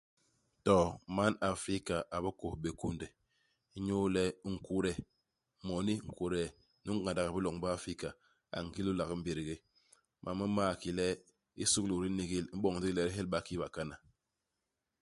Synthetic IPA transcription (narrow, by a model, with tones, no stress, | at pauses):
tɔ˨ma˦na˨fɾi˦ka˨ʔa˨bə˦ko˨be˨ku˦ndɛ˨˦ | ɲo˦lɛ˦ŋ̩˨ku˦ɾɛ˨ | mɔ˨ni˦ŋ̩˨ku˨ɾɛ˨˦ | nu˦ŋ̩˦a˨da˨ɣa˨bi˦lɔ˨ŋba˦a˦fi˦ka˨ | a̰˨ŋ̩˨ɡi˦lu˦la˨ɣm̩˦be˨ɾi˨ɡe˦ | mʔa̰˨mə˦maː˦˨ki˨lɛ˦ | i˦su˦klu˨ɾi˦ni˨ɡi˦˨lm̩˦ɓɔ˦˨ŋ˨di˦lɛ˦ɾi˦ɦe˦lɓa˦ki˦ba˨ka˦na˨